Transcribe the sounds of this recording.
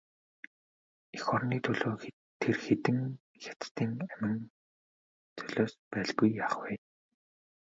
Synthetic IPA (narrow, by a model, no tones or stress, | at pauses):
exɔrniːt̪ʰɵɮoːx | t̪ʰːerxet̪ɘ̆ŋ | xʲḁt̪t̪iːŋæmɪ̆ŋ | t͡sœɮoːspæːɮɣujːaːχwɛː